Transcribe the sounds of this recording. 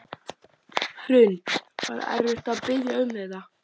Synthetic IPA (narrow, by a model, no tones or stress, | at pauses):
hɾʏnt̪va̰ɾ̰ɛ̰ɾvɪht̪aðpɪjaʏmːɪða